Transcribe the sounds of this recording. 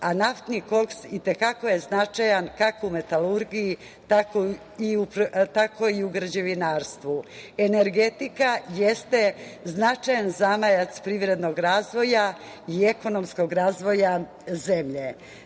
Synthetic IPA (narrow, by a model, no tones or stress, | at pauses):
anaft̪niko̞ksit̪e̞kako̞je̞znat͡ʃajankakoume̞t̪aluɾɡiji | t̪ako | iupt̪akʰo̞iuɡɾd͡ʑeʋinaːɾst̪ʋue̞ne̞ɾɡe̞t̪ikajest̪e̞znat͡ʃajanzamajat̪spɾiʋɾe̞d̪no̞ɡɾaːzʋo̞ja | ie̞ko̞no̞msko̞ɡɾaːzʋo̞ja | ze̞mʎe